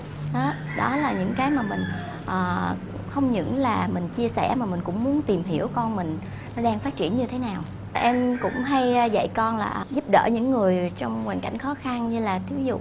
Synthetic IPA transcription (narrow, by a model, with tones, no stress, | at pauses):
ɗɔ˨˦ɗɔ˨˦laː˨˩ɲɨ̰˧˥ŋkaː˨˦jmaː˨˩mï˨˩ŋ̟ | ʔəː˨˩ | xə˧wŋ͡mɲɨ̰˧˥ŋlaː˨˩mï˨˩ŋ̟t͡ɕi˧əsɛ̰˧˩maː˨˩mï˨˩ŋ̟kʊ̰˧˥ŋ͡mmu˨˦ənt̪i˨˩mɦi˧˩əwkɔ˧nmï˨˩ŋ̟ | nɔ˨˦ɗaː˧ŋfaː˦˥t̚t͡ɕḭ˧˩ənɲɨ˧t̪ʰe˨˦naː˨˩w | ʔɛ˧mkʊ̰˧˥ŋ͡mɦa˧jzə̰˧˨jkɔ˧nla̰ː˨˩ʔzu˦˥p̚ɗə̰ː˧˩ɲɨ̰˧˥ŋːɨ˨˩əjt͡ɕɔ˧wŋ͡mwaː˨˩nka̰˧˩jŋ̟xɔ˨˦xa˧nɲɨ˧laː˨˩t̪ʰi˨˦zṵ˧˨